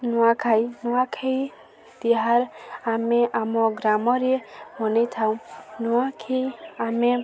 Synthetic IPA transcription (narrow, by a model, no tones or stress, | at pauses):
nuwakʰajnuwakʰej | d̪̥iɦaɾameʔamɔɡɾamɔɾemɔnejt̪ʰaw̃nuwakʰiame